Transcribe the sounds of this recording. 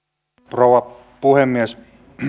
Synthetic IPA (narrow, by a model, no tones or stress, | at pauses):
prouwɑ | puhemːies